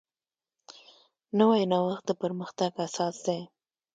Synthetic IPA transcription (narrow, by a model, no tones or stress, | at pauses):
nawajnawaxt̪̚d̪əpəɾməxt̪aɡasɑsd̪a